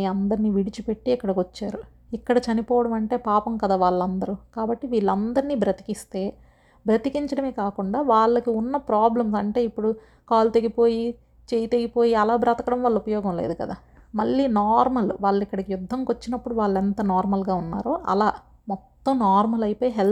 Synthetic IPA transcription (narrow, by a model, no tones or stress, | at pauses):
iɐnd̪ɐɾniːʋiɽit͡ʃipe̞ʈːiːkːɐɽɐkot͡ʃːaːɾu | ikːɐɽɐt͡ʃɐnipɔːʋɐɽɐmɐɳʈe̞ːpaːpɐmkɐd̪aːʋaːɭːɐnd̪ɐɾukaːbɐʈːiʋiːɭːɐnd̪ɐɾiniːbɾɐt̪i̥kist̪e̞ː | bɾɐt̪ikiɲt͡ʃɐɽɐmekaːkuɳɖaːʋaːɭːɐkiunːɐpɾaːblɐmsɐɳʈe̞ːipːuɽu | kaːlut̪e̞ɡipoːji | t͡ʃejit̪e̞ɡipo̞ːjiɐlaːbɾɐːt̪ɐkɐɽɐmʋaːɭːɐupɐjɔːɡɐmlḛːd̪ukɐd̪aː | mɐɭːiːnaːɾmɐlʋaːɭːikːɐɽɐkijud̪ʱːɐmkot͡ʃːinɐpːuɽuʋaːɭːɛnt̪ɐnaːɾmɐlɡaːunːa̰ːɾoːʔɐ̰laː | mɔt̪ːɐmnaːɾmɐlɐjipoːjiɦel